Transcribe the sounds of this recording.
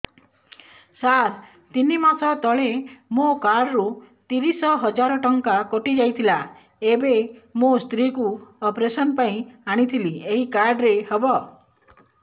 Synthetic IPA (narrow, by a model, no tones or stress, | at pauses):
saɾ | t̪inimasʰɔt̪ɔɭemokaɾɖɾut̪iɾisɔɦɔd͡ʒaɾɔʈɔŋkakoʈid͡ʒajt̪ʰila | ebemost̪ɾikuɔpɾesɔnpaĩaɽ̃it̪ʰilieɦikaɾɖɾehɔbɔ